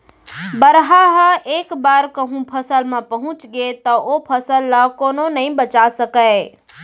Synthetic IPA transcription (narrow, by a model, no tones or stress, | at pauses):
bəɾɦaɦəʔekbaɾkəɦũpʰəsəlmẽpəɦũt͡ʃɡet̪əʔopʰəsəlːakononəĩbət͡ʃasəkəɪ